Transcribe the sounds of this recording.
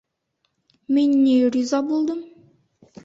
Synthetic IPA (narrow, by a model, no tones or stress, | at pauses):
menʲːeɾʲizɑbolˠd̪əm